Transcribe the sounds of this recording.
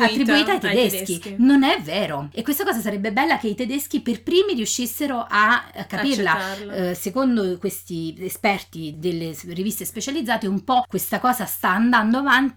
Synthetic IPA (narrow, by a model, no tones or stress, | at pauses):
lat̪ːɾibuiːt̪ajt̪ed̪esk̟inonɛvːɛːɾoekwest̪akɔːzasaɾɛbːebɛlːakeit̪ed̪esk̟iperpɾiːmiɾiuʃːisːeɾoʔakːapirlasekond̪okwest̪iːspɛrt̪id̪elːerivist̪espet͡ʃalid̪zːaːt̪eumpɔkːwest̪akɔːzast̪aːnd̪and̪oavant̪i